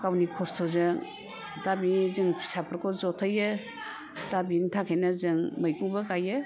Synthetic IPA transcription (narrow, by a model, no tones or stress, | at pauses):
kawnikʰɔstʰɔzɯŋ | dabizɯŋpʰi̥sapʰɯɾkʰɔzɔtʰajɯ | d̥abiŋtʰakʰenazɯŋmajkuŋbɐɡajɯ